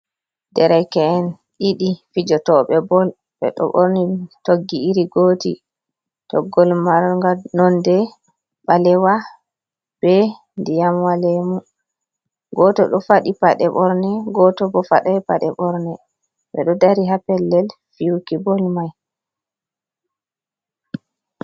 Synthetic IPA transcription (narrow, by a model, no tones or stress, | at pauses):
dɛɾɛjkɛːn | ʔiɗifid͡ʒɔtɔɓɛbɔl | ɓɛ̰ɗɔ̰ɓoɾnitoɡːiiɾiɡoːtḭ | tɔɡːɔlmaɾŋɡanɔndɛ | ɓalɛwa | b̥ɛ | ndijamwalɛmu | ɡɔtɔ̰ɗɔfaɗipaɗɛɓɔɾnɛɡɔtɔbɔfa̰ɗapaɗɛɓɔɾnɛ | ɓɛɗɔdaɾiɦapɛlːɛl | fiukibɔlmaj